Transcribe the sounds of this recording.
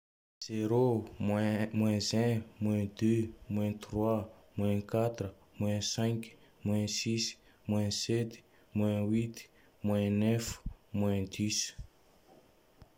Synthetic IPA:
z̥eɾomwɛ̃mwɛ̃zɛ̃mwɛ̃d̪ømwɛ̃t̪rwamwɛ̃kat̪r | mwɛ̃sɛ̃k | mwɛ̃sis | mwɛ̃sɛt̪ | mwɛ̃wit̪ | mwɛ̃nɛfmwɛ̃d̪is

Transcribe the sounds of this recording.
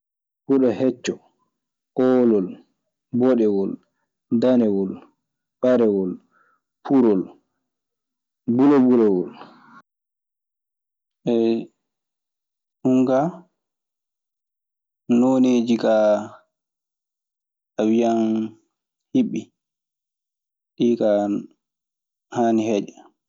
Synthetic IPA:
kuɗɔhɛt͡ʃːɔ | ʔɔːlɔl | bɔɗɛwɔl | danɛwɔl | ɓaɾɛwɔl | pʰuɾɔl | bulɛbulɛwɔl | ʔɛ | huŋɡa | noneːd͡ʒika | awijan | hiɓːi | ɗiːka | haːnihɛd͡ʒɛ

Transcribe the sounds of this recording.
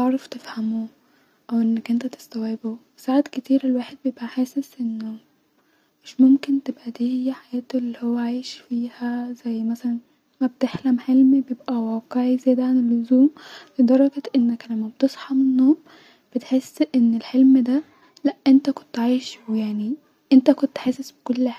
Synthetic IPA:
eʕɾˤɑft̪efhæmuː | ʔæwʔenːækʔent̪æt̪e̥st̪æwebo | saʕad̪ket̪iːɾelwaːħed̪̚bejebʔæħeːsesʔenːo | meʃmomkent̪ebʔæd̪iːhejːæħajæːt̪elːihowːæʕaːʃfiːhæzæjːmæsælæn | mæb̚t̪eħlæmħelmibejebʔæwæːqeʕizæjːd̪æʕanelːozuːmled̪ɑɾˤɑɡɑt̪ʔenːæklæmːæbet̪esˤħɑmenːom | b̥et̪ħesːʔenːelħelmd̪æ | læʔʔent̪æko̥nt̪ʕajʃjaʕni | ʔent̪ækont̪ħaːsesbe̥kolːħa

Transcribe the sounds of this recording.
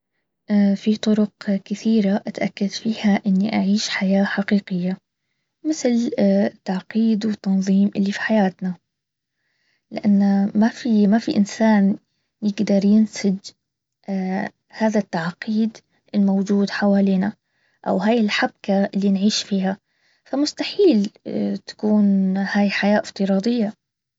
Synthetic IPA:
ʔfit̪ˤʊɾʊqkɪθiːɾaʔat̪ʔakːad̪fiːhaʔɪnːiʔaʕiːʃħajaːħaqiːqɪjːa | mɪθlt̪ːaʕqiːd̪wɪt̪ːɑnðˤiːmʔɪlːifi̥ħajaːt̪na | lɪ̰ʔanːamafimafiʔɪnsaːn | jɪɡd̪ɑɾˤjɪnsad͡ʒ | haːðat̪ːaʕqiːd̪ | ʔɪlmowd͡ʒuːd̪ħawaːliːna | ʔa̰wɦaːjɪlħab̚kaɪlːinʕiːʃfiːha | famʊst̪aħiːlt̪ḁkuːnhaːjħajaːʔɪft̪ɨɾˤɑːd̪ˤɪjːa

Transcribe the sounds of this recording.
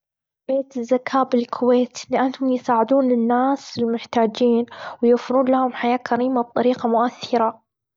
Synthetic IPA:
beːt̪ɪzːakʰaːbɪlkʰʊweːt̪lɪʔanːhʊmjɪsaːʕɪd̪uːnlɪnːaːsɪlmʊħt̪aːd͡ʒiːnwjʊfɪɾuːnlahʊmħajaːkaɾiːmab̚t̪ˤɑɾiːqɑmʊʔaθːɪɾa

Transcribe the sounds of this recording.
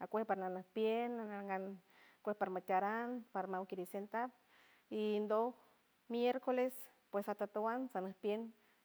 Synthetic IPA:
akʷehpaɾnanahpjenanaŋɡan | kʷehpaɾamat̪ʲaɾanpaɾamawkiɾisent̪ap̚ | ind̪o | mjeɾkoles | pwesat̪at̪awansanahpjen

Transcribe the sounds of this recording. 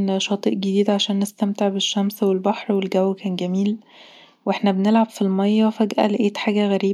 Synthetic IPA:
nʃɑːt̪ˤiːʔɡed̪iːd̪ʕaʃæːnːest̪æmt̪eʕbeʃːæmswelbɑħɾwelɡæwːkæːnɡæmiːl | wʔeħnæbenelʕabfilmɑjːɑfæɡʔæ̰lʔeːt̪ħaːɡæɣæɾiː

